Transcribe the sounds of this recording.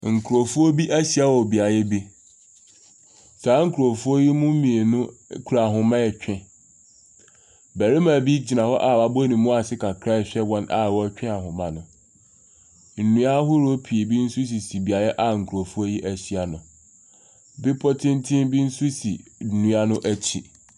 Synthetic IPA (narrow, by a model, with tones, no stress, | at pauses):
ŋ̩˨kʰu˨o˨fu˦o˦bi˦ʔæ˦ɕi˨a˦wɔ˨bi˨a˨jɛ˦bi˦ | saː˨˦ŋ̩˦kʰu˨ɾo˨fu˦o˦ji˦mʊ̃˦mĩ˨e˨nʊ̃˦kʰu˨ɾa˨ɦʊ̃˨mã˦ɛ˨t͡ɕᶣʰɪ̃˦ | bɛ˨ɾi˦mã˨bi˦d͡ʑi˨nã˨hɔ˦ʔa˨wa˨bo˦nĩ˨mũ˦a˨sɪ˦kʰa˨kʰɾa˦˨ɕᶣɛ˦wɔ̃˦na̰˨wɔ˦t͡ɕᶣɛ̃˦a˨ɦʊ̃˨mã˨nʊ̃˨ | n̩˨nũ˦a˦ɦʊ˦ɾo˦pʰi˨e˨bi˦n̩˦su˦s̬i˨si˨bi˨a˨jɛ˦ʔa˨ŋ̩˨kʰu˨ɾo˨fu˦o˦ji˦ʔæ˨ɕi˨a˨nʊ̃˨ | bɪ˦pʰɔ˦tʰɪ̃˦n̩˦tʰɪ̃˦mbi˦n̩˦su˦sḭ˨nũ˦a˦nʊ̃˦ʔæ˦t͡ɕʰi˨